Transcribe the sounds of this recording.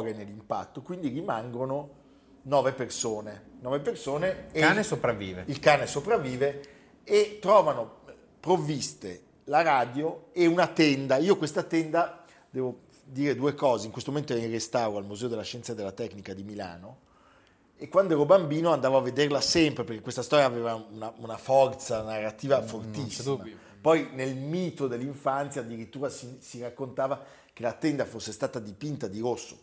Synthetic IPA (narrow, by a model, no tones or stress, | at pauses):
ɾenelːimpa̰t̪ːokwind̪iɾimaŋɡɾono | nɔːvepersoːnenɔːvepersoːneanesopɾavːḭːvḛilkaːnesopɾavːiːve | et̪ːɾɔːvano | pɾovːist̪e | laɾaːd̪joeunat̪ɛnd̪aiːokwest̪at̪ɛnd̪a | d̪ɛːvo | d̪iːɾed̪uekɔːzeiŋkwest̪omoment̪oɛɛirest̪awɾoalmuzɛod̪elːaʃːɛnt̪sad̪elːat̪ɛknikad̪imila̰ːno | ekwand̪oɛɾobambiːnoand̪aːvoavːed̪erlasɛmpɾepeɾrk̟ekwest̪ast̪ɔːɾjaːveːvaunaunafɔrt̪sanarːat̪iːvafort̪isːima | pɔjnelmiːt̪od̪elːiɱfant̪sjaːd̪ːiɾit̪ːuːɾasisirakːont̪aːva | k̟elat̪ɛnd̪afosːest̪aːt̪ad̪ipint̪ad̪iɾosːo̰